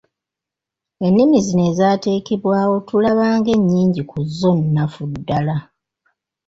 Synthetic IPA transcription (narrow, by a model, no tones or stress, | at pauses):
e̞nːimizine̞ːzaːte̞ːkeβwaːwo̞tulaβaːŋɡe̞ɲːiːɲɟikuzːo̞nːafudːala